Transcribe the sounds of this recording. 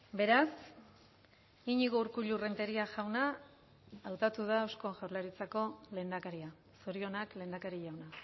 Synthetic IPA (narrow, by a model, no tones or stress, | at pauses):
be̞ɾas | iɲiɣouɾkuʎure̞nt̪e̞ɾiaʝawna | awt̪at̪uð̞aːwsko̞ʝawɾlaɾit͡sako̞le̞ːnd̪akaɾia | soɾio̞nakle̞ːnd̪akaɾiʎawna